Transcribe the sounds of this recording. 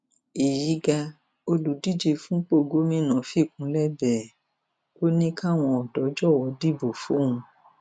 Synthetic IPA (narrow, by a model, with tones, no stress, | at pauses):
i˨ji˨˦ɡa˧ | o˧lu˨˦di˦˨d͡ʒe˧fũ˦k͡po˦˨˧ɡo˦mĩ˦nã˨fi˦˨kũ˧˦lɛ˦bɛ˨ | ko˦nĩ˦ka˦˨w̃ɔ̃˧ɔ˨dɔ˨˦d͡ʒɔ˦˨wɔ˨˧˦di˦˨bo˨fo˨˦ũ˧